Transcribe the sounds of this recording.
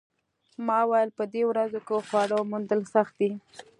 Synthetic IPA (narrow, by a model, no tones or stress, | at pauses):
mɑwajəlpəd̪ewɾazokexwɑɽomund̪əlsaxt̪̚d̪i